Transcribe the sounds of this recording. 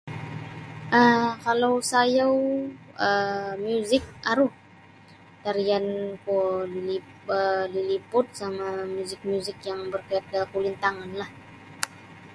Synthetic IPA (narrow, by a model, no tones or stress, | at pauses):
ʔəkalawsajaw | əmjuzɪk̚aɾuh | t̪aɾiankuili | ədilipʊt̪̚samamjuzɪk̚mjuzɪk̚jaŋbərkaat̪̚kəkulint̪aŋanlah